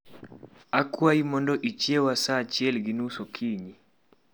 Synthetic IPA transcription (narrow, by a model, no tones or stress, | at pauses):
akuaimɔndɔʔit͡ʃɛwasat͡ʃjɛlɡinusɔkʰiɲi